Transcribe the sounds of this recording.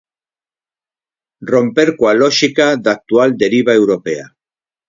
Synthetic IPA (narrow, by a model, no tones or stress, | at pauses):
rompeɾkwaloʃikaðak̚t̪uald̪e̞ɾiβ̞ae̞wɾo̞pea̰